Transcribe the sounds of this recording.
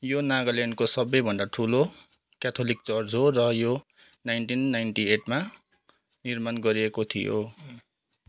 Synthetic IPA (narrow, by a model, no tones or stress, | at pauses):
jonaɡʌlenɖkosʌbʌjbʱʌndaʈʰulo | kat̪ʰolik̚t͡sʌrd͡zʱɦorʌjo | najnʈinːajnʈieʈma | nirmanɡʌɾiekot̪ʰḭjo̰